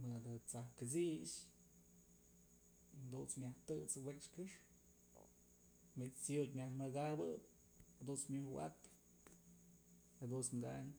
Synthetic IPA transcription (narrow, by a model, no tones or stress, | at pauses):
mɨd̪at͡sahkɨt͡sis | hd̪unt͡smʲaht̪ɨt͡swet͡ʃkɨʂ | mit͡st͡sjut̪ʲmʲahmɨɡabɨp̚ | hd̪unt͡smʲɨwa̰t̪ | hed̪unt͡smɡaɲ